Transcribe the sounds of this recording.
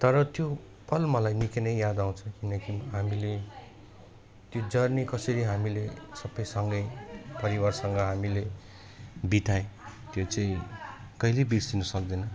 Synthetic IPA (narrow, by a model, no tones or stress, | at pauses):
t̪ʌɾʌt̪jo | pʌlmʌlajnikenʌjjad̪aw̃t͡sʰʌ̃kinʌkiɦamile | t̪jod͡zʌrnikʌsʌɾiɦamilesʌbʌjsʌŋɡʌjpʌɾiwarsʌŋɡʌɦamile | biʈ̪aẽt̪jot͡sãĩ | kʌilebirsinusʌkd̪ʌnʌ